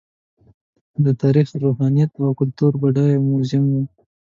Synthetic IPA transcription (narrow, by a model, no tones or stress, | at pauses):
d̪ət̪ɑɾixɾoɦɑnijat̪awkʊlt̪uɾbaɖɑjmʊzɪmwu